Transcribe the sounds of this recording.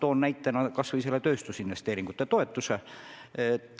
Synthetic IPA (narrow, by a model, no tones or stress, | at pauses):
t̪o̞ːnːæjt̪ːˑenɑkɑsvɤjse̞lːet̪ø̞ːst̪usinve̞st̪e̞ːɾiŋɡ̥ut̪ːˑe̞t̪o̞e̞t̪ːˑuse | t̪